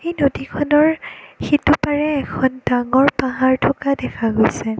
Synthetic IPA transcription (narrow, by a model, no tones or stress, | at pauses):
xejnodikʰɔnɔɹxitupaɹɛːkʰɔndaŋɔɹpaɦaɹtʰɔkadɛkʰaɡojsɛ